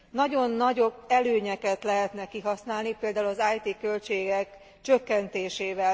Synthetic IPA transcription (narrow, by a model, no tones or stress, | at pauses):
nɒɟo̞nːɒɟo̞bɛløːɲɛkɛt̪lɛɦɛt̪nɛkiɦɒsnaːlnipeːld̪aːulɒzaːjt̪ikø̞lt͡ʃeːɡɛk | t͡ʃø̞kːɛnt̪eːʃeːvɛl